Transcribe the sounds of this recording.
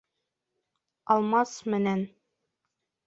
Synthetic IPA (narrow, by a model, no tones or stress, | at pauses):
ɑlˠmɑsmɘ̆næn